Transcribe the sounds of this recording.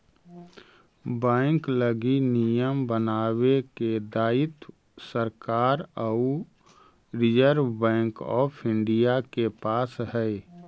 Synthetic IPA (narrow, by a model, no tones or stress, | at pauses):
bɛ̃ːŋkləɡinijəmbənaːweked̪aːɪt̪ | səɾkaːɾə | ɾɪd͡ʒəɾbɛ̃ːŋkɔ̰ːpʰɪ̃ɳɖijakepaːsɦɛ